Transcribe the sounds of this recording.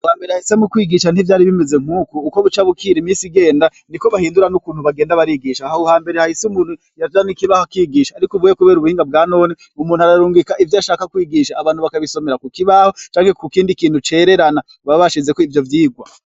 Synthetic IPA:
haːmbe̞ɾehahise̞mukwiːɡiʃan̥ivjaːɾiβimeze̞ŋ̥huːkuːko̞βut͡ʃaβukʰiɾimiːsiɡe̞ːndanikoβahiːnduɾanukuːn̥huβaɡe̞ːndaβaɾiɡiʃauhaːmbe̞ɾehahisumuːn̥hu | jad͡ʒanikiβahokiːɡiːʃaːɾikuvuːjekuβe̞ːɾuβuhiːŋɡab̚ɡaːno̞ːne | umuːnuaɾaɾuːŋɡikaʔivjaʃaːkakwiːɡiʃaːβaːn̥uβakaβiso̞me̞ɾakukiβahot͡ʃaːŋhe̞kukiːndikiːn̥hut͡ʃe̞ːɾe̞ɾana | βaβaʃize̞koivjo̞vjiːɡwa

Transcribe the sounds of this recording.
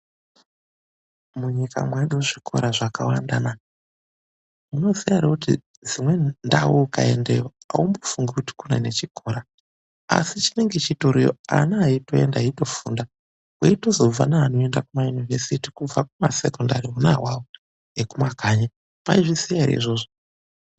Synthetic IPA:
muɲika̰mweɗuʐikʰo̞̰ɾaʐakawandana | muno̞ziaɾekuti | d͡zimwe̞ndawuːkaendejoa̰umbo̥fuŋɡikuti̥kunḛne̞t͡ʃikʰo̞ɾa | a̰sit͡ʃine̞ŋɡe̞t͡ʃitoɾijoa̰niaito̞e̞ndaito̞fṵnda | weito̞zo̞b͡va̰naːno̞e̞ndakumajunivesitikub͡vakuma̰se̞kondariunawawo | ekumaɡʱaɲa | paiʐisijaiɾḛḭʐo̞ːʐo

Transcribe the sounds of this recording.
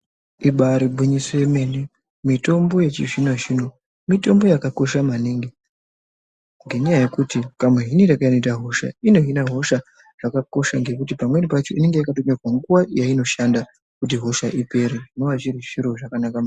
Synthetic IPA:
iɓaɾibʱiɲiseme̞ne | mito̞mbo̞je̞t͡ʃiʐinaʐino | mito̞mbo̞jakako̞ʃamaniŋɡi | ŋɡe̞ɲajaje̞kutikamweɦiniɾakaino̞itaɦo̞ʃa̰ino̞ɦinaɦo̞ʃa | ʐ̥akako̞ʃaŋɡe̞kut̬ipamwe̞nipat͡ʃo̞ine̞ŋɡeakatoɲerwaŋɡuwajaino̞ʃanda | kut̬iɦo̞ʃaʔipe̞ɾeʐino̞ʋat͡ʃiɾiʐiɾo̞ʐakanakam

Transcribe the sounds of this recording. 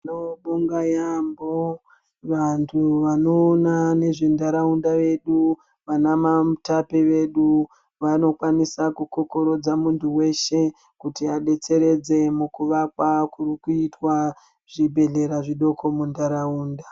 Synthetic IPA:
noɓuŋɡajambo | ʋantʰuʋano̞ːnane̞ʐendaɾaundaʋe̞ɗu | ʋanamamtapeʋe̞ɗu | ʋano̞kwanisakukoko̞ɾo̞d͡zamuntʰuwe̞ʃe̞ | kutiaɗe̞t͡se̞ɾe̞d͡ze̞mukuʋakwakuɾikuitwa | ʐ̥ibʱe̞ɮe̞ɾaʐiɗo̞kʰo̞mundaɾauːnda

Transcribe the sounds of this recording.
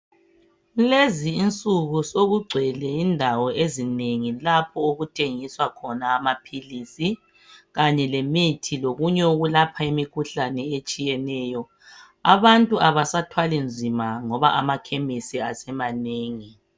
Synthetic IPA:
leziːnt͡sʼuɣusoɣuɡ͡ǀʱɛlɛindʱawɔʔezineŋilapʰɔoɣutʰeŋiswakʰɔnaːmapʰilisi | ɣaɲɛlemitʰiloɣuɲɛoɣulapʰaimikʰuɬanɛet͡ʃʼijɛnɛːjɔ | aβantʼuʔaβasatʰwalind͡zʱimaŋɔβa̰ʔamakʰemisiasɛmaneːŋi

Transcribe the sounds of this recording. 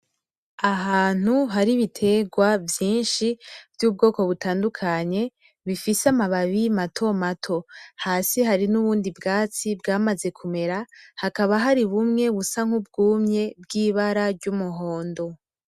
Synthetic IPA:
aɦaːn̥uɦaɾiβitʰe̞ɡwavjiːnʃivjuːb̚ɡo̞ːko̞βutaːndukʰaɲe̞ | βifisamaβaβimatʰo̞matʰo̞haːsiɦaɾinuβuːndibɡaːt͡sibɡaːmaze̞kʰume̞ɾahakaβaɦaɾiβumŋe̞βusaŋ̥hub̚ɡuːmɲe̞bɡiːβaɾaɾɟumuɦo̞ːndo̞

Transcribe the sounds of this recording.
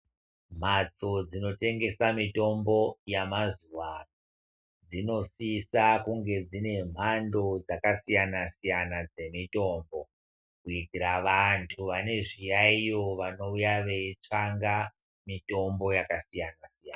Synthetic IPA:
m̤at͡so̞d͡zino̞te̞ŋɡe̞samito̞mbo̞jamazuwa | d͡zino̞siːsakuŋɡe̞d͡zine̞m̤ando̞d͡zakasijanasijanad͡ze̞mito̞ːmbo̞ | kuiɡʱiɾaʋantʰuʋane̞ʐijaijo̞ʋano̞ujaʋeit͡ʂaŋɡa | mito̞mbo̞jakasijanasijaːna

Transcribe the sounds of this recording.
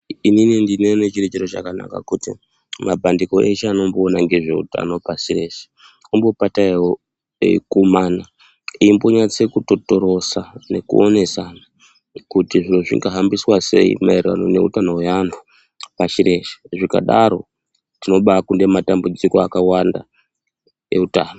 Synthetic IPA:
ininindinenet͡ʃiret͡ʃeɾot͡ʃa̰kana̰ka̰kuti | mabʱandiko̞ʔe̞t͡ʃeano̞mboːnaŋɡe̞ʐe̞ṵta̰no̞pasire̞ʃe̥ | umbo̞pataiwo̰ | kumana | iːmbo̞ɲat͡se̞kuto̞to̞ɾo̞sane̞kṵo̞ne̞sana | kutiʐinoʐḭŋɡaɦambiswase̞̰ḭmaerwa̰none̞̰utano̞janu | paʃiɾʔe̞ʃe̥ʐika̰ɗaɾo̞ | tino̞ɓakunde̞matambud͡zikoakawanda̰ | e̞̰utaːno

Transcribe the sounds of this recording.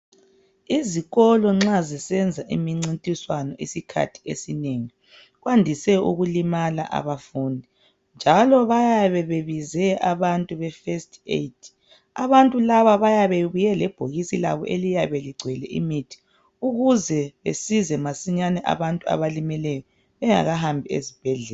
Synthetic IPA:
iziɣɔlɔŋ͡ǁazɛsɛnd͡zʱaʔimiŋ͡ǀintʼiswanɔʔisikʰa̰tʰi̥ḛsineŋi | ɣwandʱisɛṵɣulimala̰ʔa̰βafundʱi | nd͡ʒʱalɔβajaβɛβeβizɛʔaβantʼuβɛfestʰʼḛtʰ | a̰βantʼulaβaβajaβeβujɛlɛb̥ʱoɣisila̰βɔ̰ʔelijaβɛliɡ͡ǀʱwɛlɛ̰ʔḭmitʰi̥ | uɣuzɛβḛsizɛmasiɲanɛʔa̰βantʼua̰βalimɛlɛjɔ | βɛŋa̰ɣaɦambʱiḛzib̥ʱɛɮɛː

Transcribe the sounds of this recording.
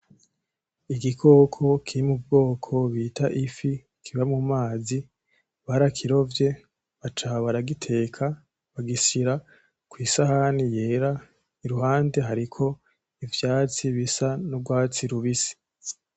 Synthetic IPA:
iɡikʰo̞ːkʰo̞kʰiɾimub̚ɡo̞ːkʰo̞βiːtaʔifi | kʰiβaimumaːzi | βaɾakʰiɾo̞vje̞ | βat͡ʃaːβaɾaɡitʰe̞ːkʰa | βaɡisiɾa | kwiːsahanije̞ːɾa | iɾuɦaːnde̞ɦaɾikʰo̞ | ivjaːt͡siβisanubɡwaːt͡siɾuβisi̥

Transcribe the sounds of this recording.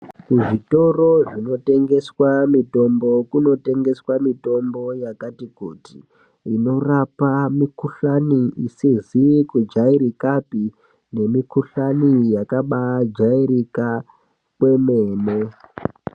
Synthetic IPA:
kuʐito̞ro̞ʐino̞te̞ŋɡe̞swamito̞mbo̞kuno̞te̞ŋɡe̞swamito̞mbo̞jakatikuti | ino̞rapamikuɬaniisizikud͡ʒaiɾikapi | ne̞mikuɬanijakaɓad͡ʒaiɾika | kwe̞meːne

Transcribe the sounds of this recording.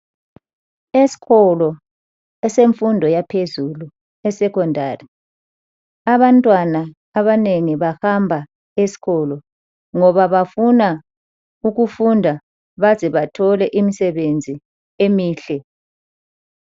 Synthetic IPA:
esi̥ɣɔlɔ | ɛseɱfundʱɔjapʰezulu | ɛsɛkʰɔndʱaːri | aβantʼwanaː | βaneŋiβahambʱa | esi̥ɣɔlɔ | ŋɔβaβafuna | uɣufundʱa | βazɛβatʰɔlɛʔimisɛβend͡zʱi | emiːɬɛ

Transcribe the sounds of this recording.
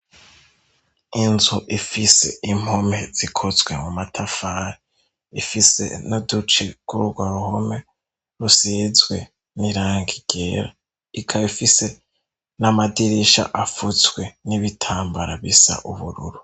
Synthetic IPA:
inzuʔifise̞̰im̥ho̞me̞z̥ikʰozwe̞mumatʰafaːɾi | ifise̞̰nodut͡ʃiɡ̥uɾuɡwaɾuho̞me̞ | ɾuseːzwe̞ | niɾaːŋɡiɡ̥eɾa | ikʰaifise̞ | namadiɾiʃa̰ʔafuzɡwe̞niβitʰaːmbaɾaβisa̰ʔuβuɾṵɾu

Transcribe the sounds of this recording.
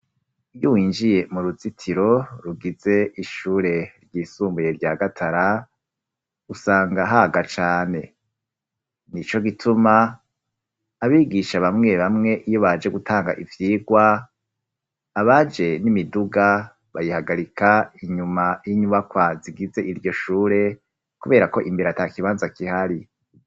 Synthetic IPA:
ujuwiːnd͡ʒije̞muɾuzitʰiɾo̞ɾuɡize̞ʔiʃuːɾe̞ɾɟiːsuːmbujeɾɟaːɡatʰaɾa | usaːŋɡaɦaɡat͡ʃaːne̞ | nit͡ʃo̞ɡitʰuma | βiːɡiʃaβamŋe̞βamŋe̞ʔijoβad͡ʒe̞ɡutʰaːŋɡa̰ʔivjiːɡwa | βad͡ʒe̞nimiduɡa | βajihaɡaɾikʰaiɲumajiɲuβakwaziɡize̞ʔiɾjɟo̞ʃuːɾe̞ | kuβe̞ːɾako̞ʔimbiɾatakiβaːnzakihaɾi

